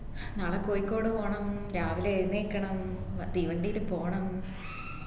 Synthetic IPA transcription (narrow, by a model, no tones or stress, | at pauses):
naːɭekːoːjikʲːo̞ːɽɨpoːɳɐmɾaːʋileenːeːkːɐɳɐmd̪iʋɐɳɖijilupoːɐɳɐm